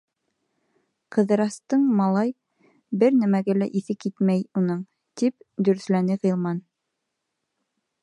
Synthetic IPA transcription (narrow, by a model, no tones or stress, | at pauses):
qɤ̆ðɤ̆ɾɑst̪ɤɴmɑlˠɑj | bɘɾnæmæɡælæʔiθɘkːit̪mæjunɤɴ | t̪ipd̪ɵ̆ɾɵ̆slænɘʁĭlˠmɑn